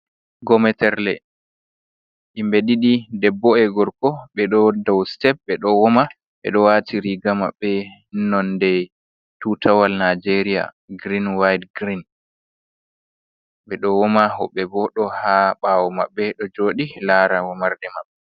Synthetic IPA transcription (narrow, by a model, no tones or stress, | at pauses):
ɡɔmɛtɛɾlɛ | ʔimbeɗiɗidɛbːɔɛɡɔɾkɔɓɛɗɔdawstɛp̚bɛɗɔwɔma | ɓɛ̰ɗɔwatʰiɾiɡama̰ɓːɛnɔndɛ | tutawalnad͡ʒeɾija̰ | ɡɾinwajdɡɾin | ɓɛɗɔwɔmaɦɔɓɛbɔɗɔhaɓawɔma̰ɓːɛɗɔd͡ʒoːɗilaɾawɔmaɾdɛmaɓːɛ